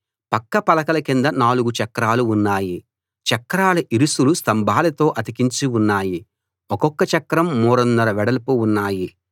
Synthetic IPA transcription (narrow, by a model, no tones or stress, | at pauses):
pɐkːɐpɐlɐkɐlɐkind̪ɐnaːluɡut͡ʃɐkːɐɾaːluunːaːji | t͡ʃɐkːɐɾaːlɐʔiɾusulust̪ɐmbʱaːlɐt̪o̞ːʔɐt̪ikiɲt͡ʃiunːaːji | ɔkɔkːɐt͡ʃɐkːɐɾɐmːuːɾɐnːɐɾɐʋɛɽɐlpuunːaːji